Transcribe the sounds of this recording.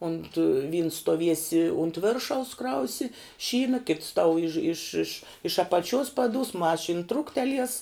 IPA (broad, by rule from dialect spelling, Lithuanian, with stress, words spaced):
ʊnt ʋʲiːns stuɔˈʋʲiɛsʲɪ ʊnt ˈʋʲɪrʃɐʊs ˈkrɐʊsʲɪ ˈʃʲiːnɐ kʲɪts tɐʊ ɪʃ ɪʃ ɪʃ ɪʃ ɐpɐˈt͡ʃʲʊs pɐˈdʊs ˈmɑːʃʲɪn ˈtrʊktʲɛlʲiɛs